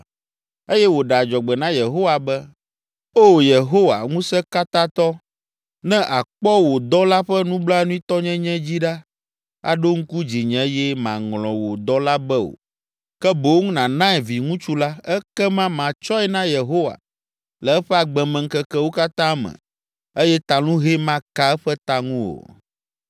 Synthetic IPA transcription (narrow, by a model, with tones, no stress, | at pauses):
e˦jɛ˦wo˨ɖɛ˨a˨d͡ʒɔ˨ɡ͡bɛ˨nã˦je˨ɦo˦wa˨bɛ˦ | o˦je˨ɦo˦wa̰˨ŋũ˦sɛ̃˦ka˦t̪ã˦t̪ɔ˦ | nɛ̃˦ʔa˨k͡pɔ˦wo˨d̪ɔ˦la˦ɸɛ˦nũ˦bla˦nũ˦i˦t̪ɔ˦ɲɛ̃˦ɲɛ̃˦d͡ʑi˦ɖa˦ | a̰˨ɖo˦ŋ̩˦ku˦d͡ʑi˨ɲɛ̃˨˦jɛ˦mã˨ŋlɔ̃˨wo˨d̪ɔ˦la˦bɛ˦o̰˨ | kɛ˦bo˨wo˦ŋũ˦nã˨nã˦ɛ˨vi˨ŋũ˦t͡ʃu˦la˦ɛ˦kɛ˦mã˦mã˨t͡ʃɔ˦ɛ˦nã˦je˨ɦo˦wa̰˨ | lɛ˨ɛ˦ɸɛ˦a˨ɡ͡bɛ˨mɛ̃˨ŋ̩˦kɛ˦kɛ˦wo˦ka˦t̪ã˦mɛ̰̃˨ | e˦jɛ˦t̪a˨lũ˦ɦe˦mã˦ka˦ɛ˦ɸɛ˦t̪a˦ŋũ˦o̰˨